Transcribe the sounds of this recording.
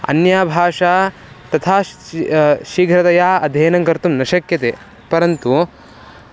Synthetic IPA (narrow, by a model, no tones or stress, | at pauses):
ɐ̰njaːbʱaːʂaː | t̪ɐt̪ʰaː | ʃiɡʱɾɐt̪ɐjaːɐd̪ʱeːnɐŋkɐɾt̪umnɐʃɐkjɐt̪eː | pɐɾɐnt̪u